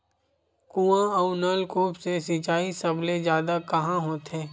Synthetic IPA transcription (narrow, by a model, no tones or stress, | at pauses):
kuːãɔʊnəlkoːpsesɪt͡ʃaːisɐblezjaːd̪akɐɦãɦoːt̪ɦeː